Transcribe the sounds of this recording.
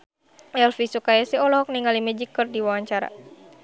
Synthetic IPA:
ɛlfisukajasiɔlɔɔk̚niŋalimɛd͡ʒikːərdiwawaɲt͡ʃaɾa̰

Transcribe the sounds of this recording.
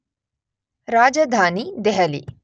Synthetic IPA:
ɾaːd͡ʒad̪ʱaːnid̪ɛɦɐlḭ

